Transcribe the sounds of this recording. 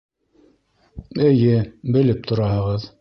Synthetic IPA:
ɘ̆jɘbɘ̆lɘp̚t̪ʰŏɾɑhɤ̆ʁɤð

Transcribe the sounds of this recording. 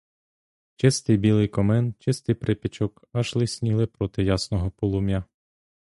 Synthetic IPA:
t͡ʃɪst̪ɪjbʲilˠɪjkɔmɛnt͡ʃɪst̪ɪjpɾʔepʲit͡ʃɔk | ɐʃlˠɪsʲnʲiɦlˠɪpɾɔt̪ɪjasnɔɦɔpɔlˠʊmʲja

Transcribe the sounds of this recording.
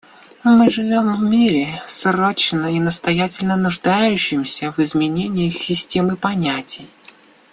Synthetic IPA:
mɨʐɨvʲo̞mvmʲiɾʲɪsro̞t͡ɕnəinəst̪ɐjætʲɪlʲnənʊʐd̪ajʉɕːɪmsʲəvɨzmʲɪnʲenʲɪjxsʲɪsʲtʲe̞mɨpɐnʲætʲɪj

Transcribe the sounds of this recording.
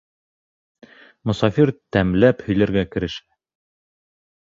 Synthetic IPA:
mŏsɑfiɾt̪æmlæphɵ̆jlɘ̆ɾɡækɘ̆ɾɘ̆ʃæ

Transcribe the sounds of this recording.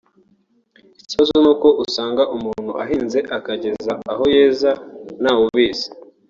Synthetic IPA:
isozonuːko̞ʔusaːŋɡaʔumuːn̥huʔaɦiːnze̞ʔakaɟe̞zaaɦo̞je̞ːzanawuβiːzi̥

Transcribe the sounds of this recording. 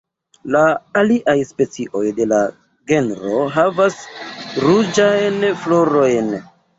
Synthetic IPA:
laːliʔajspe̞t͡siʔo̞jde̞la | ɡe̞nɾo̞ɦavasɾud͡ʒajnflo̞ɾo̞jn

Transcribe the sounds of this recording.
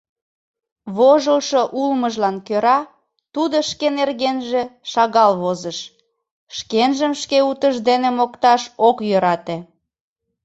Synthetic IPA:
βoʒəlʃoʔulməʒlɑnkøɾɑ | t̪ud̪oʃkenerɣenʒeʃɑɣɑlβozəʃ | ʃkenʒəmʃkeut̪əʒd̪enemokt̪ɑʃokjøɾɑt̪e

